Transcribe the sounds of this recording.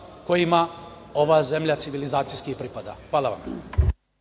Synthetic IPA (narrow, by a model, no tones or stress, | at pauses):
ko̞jimao̞ʋazemʎat̪siʋilizaːt̪sijskipɾipad̪a̰xʋaːlˠaʋa̰m